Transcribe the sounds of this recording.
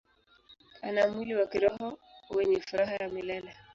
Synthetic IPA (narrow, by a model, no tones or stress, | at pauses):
kʰanamwiliwakiɾɔɦɔwɛɲɛfuɾaɦajamilana